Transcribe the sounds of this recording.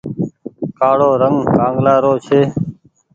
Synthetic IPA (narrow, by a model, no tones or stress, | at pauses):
kaːɽoːɾəŋɡkãːŋɡlaːɾoːt͡ʃʰeː